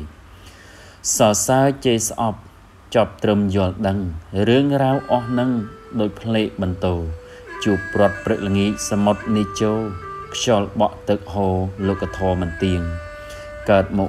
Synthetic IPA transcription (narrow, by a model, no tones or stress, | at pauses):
sɑːsaət͡ɕeːsʔɑp̚ | t͡ɕŏp̚t̪rɨmjʊ̆əlɗəŋrɨəŋraːwʔɑhnɨŋɗaːc̚pʰleːʔ̚ɓɑnt̪oː | t͡ɕuəpːrŏət̪̚prɨk̚ləŋiːc̚samot̪̚nit͡ɕoːlkʰjɑːlɓɑʔt̪ɨk̚ɦoːloːkʰːat̪ʰɔəmɨnt̪iəŋ | kaət̪̚mɔː